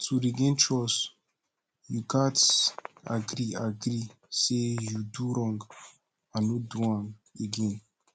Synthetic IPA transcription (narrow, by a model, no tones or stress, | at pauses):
tʰuɾiɡɛ̃nt͡ʃɔs | jukãtaɡɾiaɡɾi | sejuduɾɔ̃ŋɡ | anɔduãŋeɡɛ̃n